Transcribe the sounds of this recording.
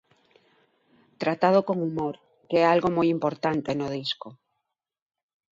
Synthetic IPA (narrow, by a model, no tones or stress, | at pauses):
t̪ɾat̪að̞okoŋumoɾ | keɛalɣomojimpoɾt̪ant̪enoð̞isko